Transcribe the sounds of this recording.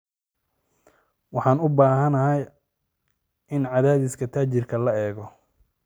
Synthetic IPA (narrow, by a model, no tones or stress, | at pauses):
wɑħɑːnʊbaːɦɐnɐɦɐj | ɪnʕɑðaːðɪskʰɐt̪ʰaːt͡ʃɪrkʰɐlɐɛːɣɔ